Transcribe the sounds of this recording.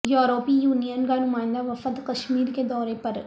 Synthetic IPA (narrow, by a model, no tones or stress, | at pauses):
joːɾoːpijuːnijənkanʊmãːnd̪aʋəfət̪kəʃmiːɾked̪ɔːɾepəɾ